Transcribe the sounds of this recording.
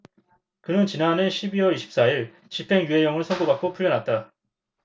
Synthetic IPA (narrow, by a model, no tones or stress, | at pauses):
kɯnɯnt͡ɕinaneɕʰibiwʌiɕʰi̥p̚s͈aiɭ | t͡ɕipʰe̞ŋjue̞jʌŋɯɭsʰʌŋɡobak͈opʰuɭːjʌnɦat̚t͈a